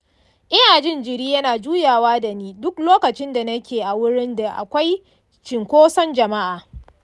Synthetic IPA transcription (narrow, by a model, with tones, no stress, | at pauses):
ʔɪ˦jaː˨d͡ʒɪ˦˨nd͡ʒɪ˨ɾiː˦jɐ˦naː˨d͡ʒuː˦jaː˨waː˦da˨niː˦dʊ˦kloː˦kɐ˨t͡ʃɪ˦nda˨nɐ˦kʲeː˨ʔa˨wʊ˦ɽɪ˦nda˨ʔa̰˨kʷa˦j | t͡ʃɪ˨ŋkʷoː˦sɐ˦nd͡ʒɐ˨ma˦ʔaː˨